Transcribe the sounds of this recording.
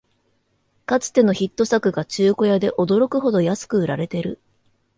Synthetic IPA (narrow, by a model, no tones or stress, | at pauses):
kat͡sɨ̥t̪e̞no̞çit̪ːo̞sakɯ̟ɡat͡ɕɨːko̞jad̪e̞ʔo̞d̪o̞ɾo̞kɯ̟ɦo̞d̪o̞jasɨ̥kɯ̟ɯ̟ɾaɾe̞t̪e̞ɾɯ̟